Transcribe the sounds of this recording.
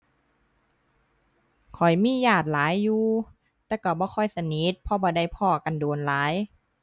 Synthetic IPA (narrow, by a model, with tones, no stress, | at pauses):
kʰɔ˨˩jmiː˧˥˨jaː˧˩t̪̚laː˨˦jːuː˧ | t̪ɛː˧˩ka˧˩bɔː˧˦kʰɔ˧˥˩jsa˧ni˧˦˥t̪̚pʰɔ˧˦bɔː˧˦da˧˩jpʰɔː˧˩ka˨nduː˨˩nlaː˨˦j